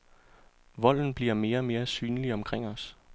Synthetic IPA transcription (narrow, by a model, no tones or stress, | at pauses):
ʋɒ̽l̰n̩b̥liɐ̰me̝ːɐme̝ːɐsyːnliɒ̽mkʰʁeŋ̰ɒ̽s